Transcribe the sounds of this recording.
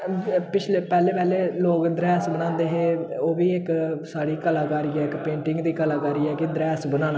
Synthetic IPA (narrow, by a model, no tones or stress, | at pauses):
pɪt͡ʃʰleːpɛːleːpɛːleːloːkd̪ɾɛːsbənãːnd̪eːɦeːoːʋiːɪksaːɽiːkəlaːkaːɾiːɛːɪkpẽːɳʈɪ̃ŋɡd̪iːkəlaːkaːɾiːɛːkɪd̪ɾɛːsbənãːnaː